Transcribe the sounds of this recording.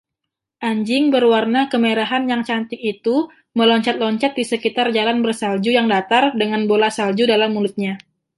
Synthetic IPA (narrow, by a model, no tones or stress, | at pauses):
ʔaɲd͡ʒɪŋbərwarnakəmeɾaɦanjaŋt͡ʃant̪ɪk̚it̪u | məlɔɲt͡ʃat̪̚lɔɲt͡ʃat̪̚disəkit̪ard͡ʒalanbərsald͡ʒujaŋdat̪ardəŋanbolasald͡ʒudalamːulʊt̪̚ɲa